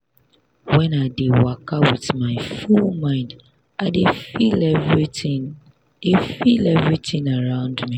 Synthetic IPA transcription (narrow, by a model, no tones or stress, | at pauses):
wɛ̃naɪdewakʰawiθmaɪfulmãɪ̃nd | ʔaɪdefilɛvɹitĩn | defilɛvɹiθĩŋaɹãʊ̃ndmi